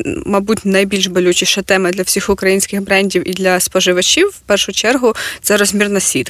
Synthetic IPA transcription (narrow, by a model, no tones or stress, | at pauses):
mɐbutʲnɐjbʲilʲʃbɔlʲut͡ʃiʃɐt̪ɛmɪd̪lʲɐwsʲixʊkɾɐjinʲsʲkɪxbɾɛnʲdʲiwid̪lʲɐspɔʒɪʋɐt͡ʃʲiwpɛrʃʊt͡ʃɛrɦʊt̪sɛɾɔzʲmʲirnɐsʲʋʲit̪